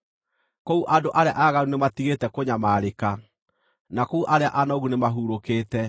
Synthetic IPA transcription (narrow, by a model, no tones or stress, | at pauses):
kouʔadoʔaɾea̰ʔaɣaɾunematiɣetɛkoɲamaːɾeka | nakouʔaɾeaʔanɔɣunemaɦuːɾokeːtɛ